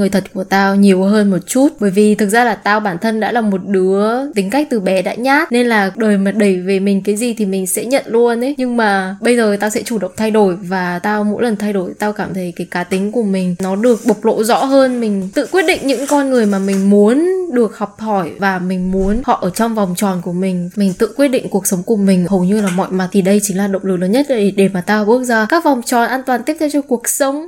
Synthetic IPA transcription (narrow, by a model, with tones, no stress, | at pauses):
ŋɨ˨˩ət̪ʰə˨˩t̚ku˧˩ət̪aː˧wɲi˨˩əwɦəː˧nmo˨˩t̚t͡ɕu˦˥t̚ɓəː˧˩jvi˨˩t̪ʰɨ˨˩k̚zaː˧laː˨˩t̪aː˧wɓaː˧˩nt̪ʰə˧nɗa̰ː˧˥laː˨˩mo˨˩t̚ɗɨ˨˦ət̪i˨˦ŋ̟ka˦˥k̟̚t̪ɨ˨˩ɓɛ˨˦ɗa̰ː˧˥ɲaː˦˥t̚ne˧nlaː˨˩ɗəː˨˩jmaː˨˩ɗə˧˩jve˨˩mï˨˩ŋ̟kaː˨˦jzi˨˩t̪ʰi˨˩mï˨˩ŋ̟sɛ̰˧˥ɲə̰˧˨nlu˧əne˨˦jɲɨ˧ŋmaː˨˩ɓə˧jzəː˨˩t̪aː˧wsɛ̰˧˥t͡ɕu˧˩ɗə̰˧˨wŋ͡m̚t̪ʰa˧jɗo˧˩jvaː˨˩t̪aː˧wmo̰˧˥jlə˨˩nt̪ʰa˧jɗo˧˩jt̪aː˧wkaː˧˩mt̪ʰə˨˦jkaː˨˦jkaː˨˦t̪ï˨˦ŋ̟ku˧˩əmï˨˩ŋ̟nɔ˨˦ɗɨ˨˩ək̚ɓə˨˩wk͡p̚lo̰˧˥zɔ̰˧˥ɦəː˧nmï˨˩ŋ̟t̪ɨ̰˧˨kwi˦˥ət̚ɗḭ̈˧˨ŋ̟ɲɨ̰˧˥ŋkɔ˧nŋɨ˨˩əjmaː˨˩mï˨˩ŋ̟mu˨˦ənɗɨ˨˩ək̚hɔ˨˩wk͡p̚hɔ˧˩jvaː˨˩mï˨˩ŋ̟mu˨˦ənhɔ̰˧˨ʔəː˧˩t͡ɕɔ˧wŋ͡mva˨˩wŋ͡mt͡ɕɔ˨˩nku˧˩əmï˨˩ŋ̟mï˨˩ŋ̟t̪ɨ̰˧˨kwi˦˥ət̚ɗḭ˧˨ŋ̟ku˨˩ək̚sə˨˦wŋ͡mku˧˩əmï˨˩ŋ̟ɦə˨˩wɲɨ˧laː˨˩mɔ̰˧˨jma˨˩t̪ʰi˨˩ɗə˧jt͡ɕï˨˦ŋ̟laː˨˩ɗə̰˧˨wŋ͡mlɨ˨˩k̚ləː˨˦nɲə˦˥t̚ɗe˧˩maː˨˩t̪aː˧ɔ˧˩ɓɨ˦˥ək̚zaː˧kaː˦˥k̚va˨˩wŋ͡mt͡ɕɔ˨˩nʔaː˧nt̪waː˨˩nt̪i˦˥əpt̪ʰɛ˧wt͡ɕɔ˧ku˨˩ək̚sə˨˦wŋ͡m